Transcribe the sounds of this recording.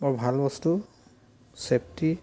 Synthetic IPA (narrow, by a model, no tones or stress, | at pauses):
mɔɹbʱalbɔstu | sep̚ti